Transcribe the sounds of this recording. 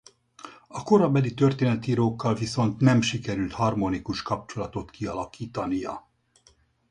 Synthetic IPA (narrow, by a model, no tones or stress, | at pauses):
ɒko̞ɾɒbɛlit̪ørt̪eːnɛt̪iːɾoːkːɒlviso̞nt̪nɛmʃikɛɾylt̪hɒrmo̞nikuʃkɒp̚t͡ʃo̞lɒt̪o̞t̪kiɒlɒkiːt̪ɒnijɒ̰